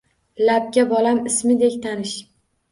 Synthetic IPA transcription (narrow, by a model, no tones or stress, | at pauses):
lap̚ɡʲabɒlamɪsmɪd̪ekʲt̪ʰanɪʃ